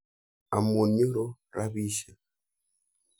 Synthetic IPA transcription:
a˨mo˨ɲo˦ɾo˦ɾa˦βi˦ʃa˨

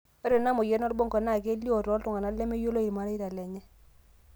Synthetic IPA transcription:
ɛ˦ɾɔ˨na˦mɔ˨jɛ˦nɔ˦lbɔ˦ŋkɔ˨na˦˨ɡe˦li˦o˨ɾɔ˦ltʊ˦˨ŋa˨na˨˦lɛ˦me˦jo˦lo˦i˨ɾma˦ɾa˦i˦ɾa˨lɛ˨ɲɛ˦

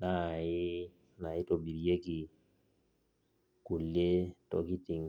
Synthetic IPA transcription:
na˦˨jɪ˦ | na˨i˦to˨bi˨ɾi˨je˦ki˨ | ku˨lːe˦tɔ̰˦ki˦ti˨ŋ

